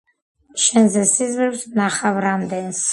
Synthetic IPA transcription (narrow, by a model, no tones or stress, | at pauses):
ʃɛnzɛsizvɾɛpsnaχavɾamd̪ɛns